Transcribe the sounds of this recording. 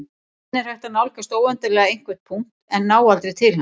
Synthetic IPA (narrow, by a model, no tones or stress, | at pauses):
ɛɾ̥hajht̪anawlkast̪oːwœnt̪ɪlɛːɣaejŋ̥kvɛ̥t̪̚pʰuŋ̥t̪ɛnːaːwalt̪ɾejt̪ʰɪlha